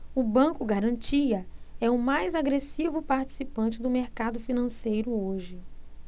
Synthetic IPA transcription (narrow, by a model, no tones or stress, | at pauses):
ʊbɐ̃kʊɡaɾɐ̃nt͡ʃiɐɛʊmajzaɡɾesivʊpaɾt͡ʃi̥sipɐ̃nt͡ʃɪd̪ʊmeɾkad̪ʊfinɐ̃sejɾʊoʒɪ